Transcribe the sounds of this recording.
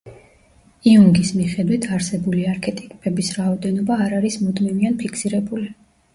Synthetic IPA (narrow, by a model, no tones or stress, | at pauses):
iuŋɡismiχɛd̪wit̪ʰaɾsɛbuliaɾkʰɛt̪ʼi̥kʼpʰʼɛbisɾaɔd̪ɛnɔbaːɾaɾismud̪mivianpʰikʰsiɾɛbuli